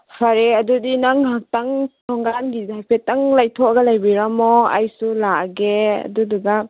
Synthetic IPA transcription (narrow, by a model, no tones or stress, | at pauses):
pʰaɾeɐdudinaŋɦak̚taŋtʰɔŋɡanɡizajpʰetaŋlajtʰɔaɡɐalajbiɾamɔa̰jsulaaɡea̰duduɡa